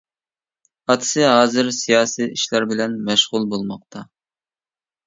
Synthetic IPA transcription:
ɑt̪ʰɨ̥sɨɦɑːzɪɾsijɑːsiːʔiʃlæɾbɪlɛnmɛʃʁʊlˠbolˠmɑq̚t̪ʰɑ

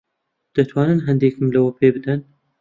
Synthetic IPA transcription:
d̪̥ɐt̪ʰwɑːnɨnɦɐnd̪eːkɨmlɐwɐpʰeːbɨd̪ɐn

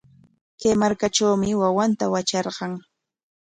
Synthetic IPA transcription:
kajmaɾkaʈ͡ʂawmɪwawant̪awat͡ʃɑɾɢɑŋ

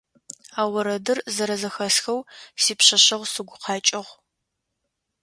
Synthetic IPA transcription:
aːwɐɾɐdɨrzɐɾɐzɐxɐsxɐwsiːpɕɐɕɐʁʷsɨɡʷʊqʰɑːt͡ʃʼɪʁʷ

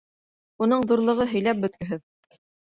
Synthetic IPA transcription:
unɤɴðuɾlˠɤ̆ʁɤɦɵ̆jlæp̚bɵ̆t̪kɵ̆ɦɘð

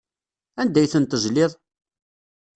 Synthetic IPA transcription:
ænd̪æjθənt̪əʒlɪðˤ

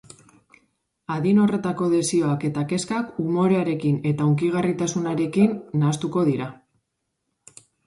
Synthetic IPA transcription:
aðino̞re̞t̪ako̞ðe̞sio̞ake̞t̪ake̞skakumo̞ɾe̞aɾe̞kine̞t̪auŋkiɣ̞arit̪asunaɾe̞kinːast̪uko̞ð̞iɾa

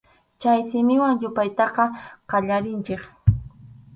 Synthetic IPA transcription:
t͡ʃajsɪmɪwaŋjʊpajt̪ɑqɑqɑʎaɾɪnt͡ʃeχ

